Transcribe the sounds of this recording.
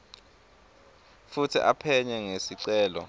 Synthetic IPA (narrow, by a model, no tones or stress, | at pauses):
futʰḭʔapʰɛɲɛŋesiǀɛːlɔ̰